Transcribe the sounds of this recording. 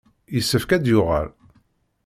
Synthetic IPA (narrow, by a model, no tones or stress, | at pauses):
jəsːəfkæd̪jʊʁə̰l